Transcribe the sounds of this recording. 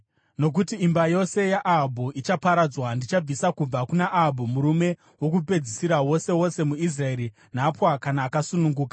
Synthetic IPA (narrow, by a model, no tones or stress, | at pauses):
no̞k̬utiimbajo̞se̞jaʔaɦbʱuʔit͡ʃapaɾad͡zwandit͡ʃab͡visakub͡vakunaʔabʱumuɾume̞ | wo̞k̬upe̞d͡zisiɾawo̞se̞wo̞se̞muis̬rae̞ɾi | napwakanaːkasunuŋɡuːka